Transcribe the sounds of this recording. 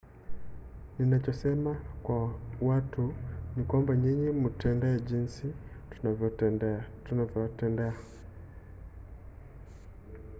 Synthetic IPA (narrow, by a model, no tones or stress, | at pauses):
ninat͡ʃɔsɛmakwawatunikwambaɲiɲimutɛndɛɛʄinsitu̥navjɔtɛnɛatunavjɔtɛndɛa